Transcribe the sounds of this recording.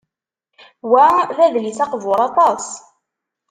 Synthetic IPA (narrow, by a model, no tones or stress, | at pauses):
wæðæðlisɑqvʊɾˤɑt̪ˤɑs